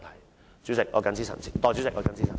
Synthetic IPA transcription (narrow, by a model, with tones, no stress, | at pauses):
t̪ʰɐ˨˩j | t͡syː˨˥sɪ˨k̚ʔɔː˨˧kɐ˨˥nt͡sʰi˥sɐ̰˨˩nt͡sʰi˨˩t̪ɔː˨˧t͡ɕy˨˦˥sɪ˨k̚ʔɔː˨˧kɐ˨˥nt͡sʰiː˥sɐ˨